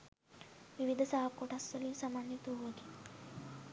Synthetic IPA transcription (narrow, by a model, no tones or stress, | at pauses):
ʋiʋid̪ʱəsaɦakoʈast̪əliːnsamanjit̪oɦoɡ̪i